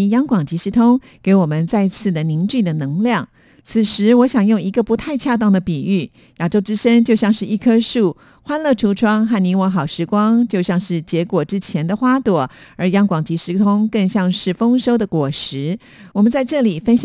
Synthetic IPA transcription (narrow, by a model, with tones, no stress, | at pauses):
jɑ˥ŋkwɑ˨˩ŋt͡ɕi˧˥ʂɻ̩˧˥t̪ʰʊ˥ŋ | ke˧˥ɪwɔ˨˩mə˦nt͡sa˥˧ɪt͡sʰɹ̩˥˩d̪ə˩ni˧˥ŋt͡ɕy˥˩d̪ə˩nɤ˧˥ŋljɑ˥˩ŋ | t͡sʰɹ̩˨˩ʂɻ̩˧˥wɔ˧˥ɕjɑ˨˩ŋjʊ˥˩˧ŋi˧˥ɡə˧pu˧˥t̪ʰa˥˧ɪt͡ɕʰja˥˧t̪̬ɑ˥˩ŋd̪ə˩pi˨˩y˥˩ | ja˨˩ʈ͡ʂo˥ʊʈ͡ʂɻ̩˥ʂə˥ŋt͡ɕjo˥˧ʊɕjɑ˥˧ŋʂɻ̩˥˧ʔi˥˩kʰɤ˥ʂu˥˩ | xwa˥nlə˥˩ʈ͡ʂʰu˧˥ʈ͡ʂʰwɑ˥ŋxa˥˩ni˧˥ŋwə˧˥xɑ˨˩ʊʂɻ̩˧˥kwɑ˥ŋt͡ɕjo˥˧ʊɕjɑ˥˧ŋʂɻ̩˥˩t͡ɕjɛ˧˥kwɔ˨˩ʈ͡ʂɻ̩˥t͡ɕʰjɛ˧˥nd̪ə˨xwa˥t̪wɔ˨˩˦ə˞˧˥jɑ˥ŋkwɑ˨˩ŋt͡ɕi˧˥ʂɻ̩˧˥t̪ʰʊ˥ŋkə˥˧ŋɕjɑ˥˧ŋʂɻ̩˥˩fɤ˥ŋʂo˥ʊd̪ə˨kwɔ˨˩ʂɻ̩˧˥ | wɔ˨˩mə˦nt͡sa˥˧ɪʈ͡ʂɤ˥˩li˨˩fə˥nɕ